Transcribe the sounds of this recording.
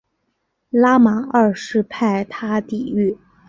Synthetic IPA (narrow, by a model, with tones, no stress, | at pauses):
la˥ma˨˩˦ə˥˧ʂɻ̩˥˧pʰa˥˩ɪt̪ʰa˥t̪i˨˩˦y˥˩